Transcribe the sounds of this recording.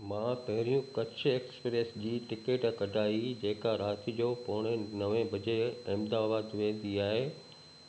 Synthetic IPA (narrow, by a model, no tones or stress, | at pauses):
mãpɐɦɪɾijũkɐt͡ɕʰʊ̆eːkspɾeːsd͡ʑiːʈɪkeːʈkɐɖʱaːid͡ʑeːkaɾaːt̪ʰid͡ʑoːpɔːɽ̃ənɐʋẽbɐd͡ʑeɪmd̪abaːd̪ʋẽːn̆d̪iaːɦeː